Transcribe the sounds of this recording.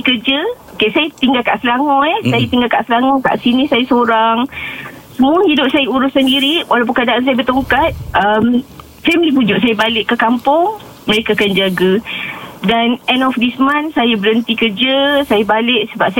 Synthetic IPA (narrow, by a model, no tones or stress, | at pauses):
kəd͡ʒə | kesajat̪iŋɡalka̰ʔsəlaŋɔɛsajat̪iŋɡalka̰ʔslaŋɔka̰ʔsinisajasoɾaŋ | səmuahidʊp̚sajauɾʊsəndiɾiwʔalawp̬əkadaʔans̬ajabərt̪uŋkat̪̚əm | fɛmlipud͡ʒʊʔsajabalɪʔkːəkampʊŋ | məɾekakand͡ʒaɡa | danɛnɔfdismãnsajabəɾənt̪ikərd͡ʒəsajabalɪʔsəbap̚sa